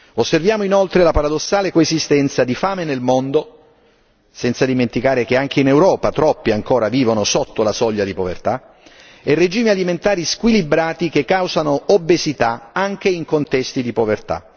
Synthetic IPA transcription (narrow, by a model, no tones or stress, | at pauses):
osːervjaːmoinolt̪ɾelapaɾad̪osːaːlekoezist̪ɛnt̪sad̪ifaːmenelmond̪o | sɛnt̪sad̪iment̪ikaːɾek̟eaŋk̟einewɾɔːpat̪ɾɔpːiaŋkoːɾaviːvonosot̪ːolasɔʎːad̪ipovḛrt̪a | ɛred͡ʒiːmialiment̪aːɾiskwilibɾaːt̪ikekːawzanoobːezit̪aaŋk̟eiŋkont̪ɛst̪id̪ipovert̪a̰